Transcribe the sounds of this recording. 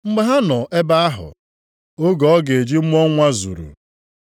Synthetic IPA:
ŋ͡m̩˦ɡ͡be˨˦ɦa˦nɔ˨e˦ba˦a˦ɦʊ̰˨ | o˦ɡɔ˨˦ɡe˨e˨d͡ʒi˦ŋ͡m̩˦m˦ɔ˦ŋʷa˦zṵ˨ɾṵ˨

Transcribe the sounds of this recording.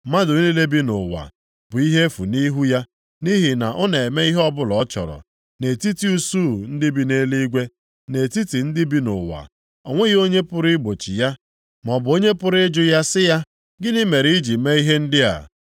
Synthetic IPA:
ma˦dʊ˨ɲ˦i˦le˦bi˦nʊ̰˨wa̰˨ | b̥ʊ˨i˦ɦe˦fu˨ni˦ɦu˦ja˦ | ni˦ɦi˨na˨ʔɔ˦ne˨e˨me˦i˦ɦɔ˦bʊ˦lɔ˦t͡ʃɔ̰˨ɾɔ̰˨ | ne˨ti˦ti˨˦u˦su˦˨n̩˦dɪ˦bi˦ne˦li˦ɡʷe˦ | ne˨ti˦ti˨n̩˦dɪ˦bi˦nʊ̰˨wa̰˨ | ɔ˨ŋʷe˦ɣo˦ɲe˦pʊ˦ɾɪ˦ɡ͡bo˨t͡ʃḭ˨ja˦ | m˨ɔ˨bʊ˨o˦ɲe˦pʊ˦ɾɪ˦d͡ʒʊ˦ja˦sɪ˦ja˦ | ɡɪ˦nɪ˦me˨ɾi˨˦i˦d͡ʒi˨me˦i˦ɦe˦n̩˦dɪ˦a̰˨

